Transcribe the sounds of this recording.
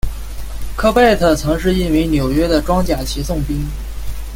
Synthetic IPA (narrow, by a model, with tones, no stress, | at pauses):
kʰɤ˥pa˥˩ɪt̪ʰɤ˥˩t͡sʰɤ˧˥ŋʂɻ̩˥˧i˥˩nwi˧˥njo˨˩ʊɥɛ˥d̪ə˨ʈ͡ʂwɑ˥ŋt͡ɕja˨˩t͡ɕʰi˧˥sʊ˥˩ŋpi˥ŋ